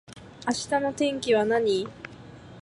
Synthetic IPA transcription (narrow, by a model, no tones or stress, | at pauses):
aɕi̥t̪ano̞t̪ẽ̞ŋkʲiβ̞anaɲ̟i